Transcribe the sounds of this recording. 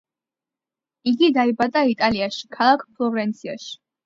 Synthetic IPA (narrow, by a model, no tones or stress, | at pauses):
iɡid̪aibat̪ʼait̪ʼaliaʃi̥kʰalˠakʰpʰlˠɔvɾɛnt̪sʰia̰ʃi̥